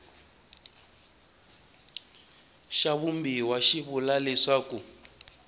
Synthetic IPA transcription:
ʃaβumbiwaʃiβulalɛʂaːku

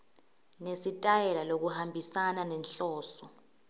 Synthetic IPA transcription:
nesitʼajɛlalok̬uhambʱisananɛnɬɔːsɔ

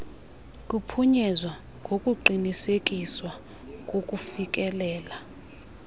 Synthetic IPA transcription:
k̬ʼupʰuɲɛzwa | ŋɡʱokʼuǃinisekʼiswa | k̬ʼokʼufik̬ʼɛlɛːla

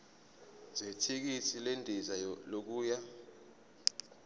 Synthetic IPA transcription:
zʱetʰik̬itʰilendʱizalok̬uːja

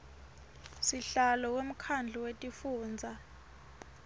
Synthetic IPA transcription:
siɬalɔwem̩kʰand͡ɮʱɔwetʼifuːnd͡zʱa

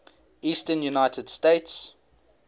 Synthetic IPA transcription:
iːstənjunaɪtʰəd̥steɪts

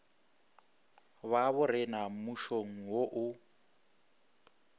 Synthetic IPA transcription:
βaβʊɾɪnamuʃoŋ̩woʔʊ

